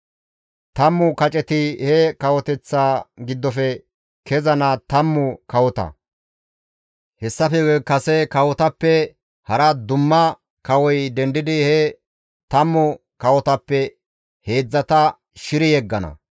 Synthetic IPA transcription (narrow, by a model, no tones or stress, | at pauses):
t̪ɐmːʊkɐt͡ʃʼɛt̪ɪhɛkɐwɔt̪ɛt͡sːaːɡɪd̪ːɔfɛ | kɛzɐnɐt̪ɐmːʊkɐwɔt̪ɐ̰ | hɛsːɐfɛkɐsɛkɐwɔt̪ɐpːɛ | hɐɾɐd̪ʊmːɐ | kɐwɔjd̪ɛnd̪ɪd̪ɪhɛ | t̪ɐmːʊ | kɐwɔt̪ɐpːɛ | he̞ːd͡zːɐt̪ɐ | ʃɪɾɪjɛɡːɐnɐ̰